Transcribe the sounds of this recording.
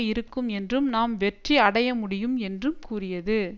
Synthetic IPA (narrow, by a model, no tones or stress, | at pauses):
jɪɾɯkːɯmɛndrɯmnaːmʋɛʈriɐɽɐjɐmʊɽɪjɯmɛndrɯmkuːrɪjɐðɯ